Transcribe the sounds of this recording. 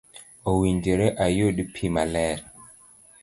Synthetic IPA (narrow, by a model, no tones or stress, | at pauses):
owind͡ʒeɾeʔajoɗipʰimalɛɾ